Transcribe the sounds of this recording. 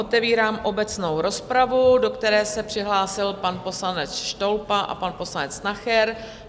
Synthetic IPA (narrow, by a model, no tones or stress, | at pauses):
ot̪ɛviːɾaːmʔo̞bɛt͡sno̞wɾo̞spɾavudo̞kt̪ɛɾɛːsɛpr̥ɪɦlaːsɪlpanpo̞slanɛt͡sʃto̞lpaʔa̰panpo̞slanɛt͡snaxɛɾ